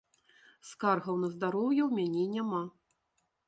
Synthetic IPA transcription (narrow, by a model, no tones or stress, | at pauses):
skarɣɐwnɐzd̪aɾɔwjɛwmʲanʲeinʲama